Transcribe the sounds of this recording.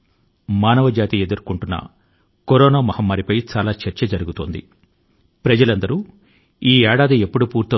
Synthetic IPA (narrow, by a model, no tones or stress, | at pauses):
maːnɐʋɐd͡ʒaːt̪ie̞d̪uɾkuɳʈunːɐ̰ | koɾɔːnaːmɐhɐmːaːɾipɐjt͡ʃaːlaːt͡ʃɐɾt͡ʃɐd͡ʒɐɾuɡut̪oːnd̪ḭ | pɾɐd͡ʒɐlɐnd̪ɐɾu | iːɛːɽaːd̪iepːuɽupuːɾt̪ːɐ